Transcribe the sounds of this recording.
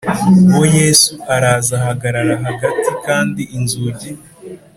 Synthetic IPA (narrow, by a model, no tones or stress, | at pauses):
uwoje̞ːsuʔaɾaːzahaɡaɾaɾaɦaɡatikaːndiʔinzuɾɟi